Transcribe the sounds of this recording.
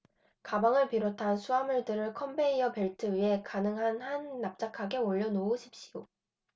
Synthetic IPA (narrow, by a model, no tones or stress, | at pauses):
kabaŋɯɭpiɾotʰansʰuamuɭdɯɾɯɭkʰʌmbʰeiʌpe̞ɭtʰɯɥie̞kanɯŋɦanhanːap̚t͡ɕ͈akʰaɡe̞oʎːʌnouɕʰi̥p̚ɕ͈io